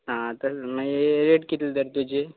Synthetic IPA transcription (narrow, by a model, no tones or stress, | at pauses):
ɦãt̪əsmaɾeʈkit̪ld̪əɾt̪ud͡ʑe